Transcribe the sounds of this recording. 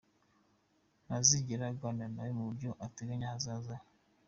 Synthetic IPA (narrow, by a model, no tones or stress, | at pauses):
naziɟeɾaɡɡwananajomuβuɾɟoʔateɡaɲahazaza